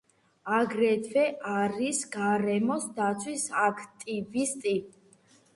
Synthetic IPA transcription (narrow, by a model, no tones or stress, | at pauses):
aɡɾɛt̪ʰvɛʔaɾisɡaɾɛmɔsd̪at̪sʰwisakʰt̪ʼivist̪ʼi